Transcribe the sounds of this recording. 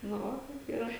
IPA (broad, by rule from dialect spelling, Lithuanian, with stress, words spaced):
nʊ ˈʋɐ kɐɪp iːˈrɐ